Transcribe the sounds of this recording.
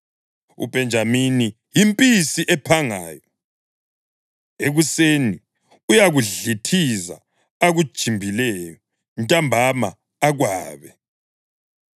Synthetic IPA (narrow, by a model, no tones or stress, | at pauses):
ṵbʱɛnd͡ʒʱamini | jimpʼisiʔɛpʰaŋaːjɔ | eɣuseni | ujaɣuɮitʰiza̰ | aɣud̥ʒ̥ʱimbʱilɛjɔ | ntʼambʱama̰ː | ɣwaːβɛ